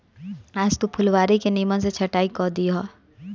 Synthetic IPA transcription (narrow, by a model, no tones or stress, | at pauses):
aːd͡ʒt̪upʰʊlʋaːɾikeniːməns̬et͡ʃʰɐʈaːikɔːd̪iɦaː